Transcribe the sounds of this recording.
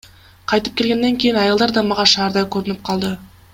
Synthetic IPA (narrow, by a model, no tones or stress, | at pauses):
qʰɑjt̪əp̚kʲʰelɡʲe̞nːe̞ŋkʲʰe̞jɪnɑjəlˠd̪ɑɾd̪ɑmɑʁɑʃɑːɾd̪ɑjkʲʰɵɾɪnɪp̚qʰɑlˠd̪ə